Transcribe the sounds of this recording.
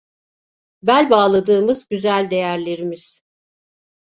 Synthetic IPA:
bælʲbaːlˠad̪ɯːmɯzɟyzælʲd̪e̞jæɾlʲe̞ɾimiz̥

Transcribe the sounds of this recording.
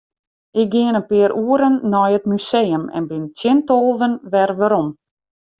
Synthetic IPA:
ɪk̚ɡɪənənpɪəɾʔuəɾənːɔjət̚mysejəmɛ̰nbɪntʰjɪntolˠʋənʋɛrʋaɾɔm

